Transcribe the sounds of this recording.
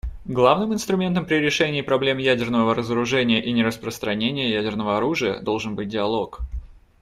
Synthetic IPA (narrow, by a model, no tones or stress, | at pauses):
ɡlˠavnɨmɨnst̪ɾʊmʲe̞nt̪əmpɾʲɪɾʲɪʂɛnʲɪːpɾɐblʲe̞mjædʲɪrnəvəəɾəzəɾʊʐɛnʲɪjəʔinʲɪɾəspɾəst̪ɾɐnʲenʲɪjəjædʲɪrnəvəɐɾuʐɨjə̰d̪o̞lˠʐɨnbɨt̚ʲdʲɪɐlˠok